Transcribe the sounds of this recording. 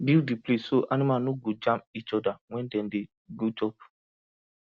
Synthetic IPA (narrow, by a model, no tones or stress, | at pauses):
bildiplesoʔanimanoɡod͡ʒãmpit͡ʃɔdawɛ̃ndɛ̃nde | ɡod͡ʒɔp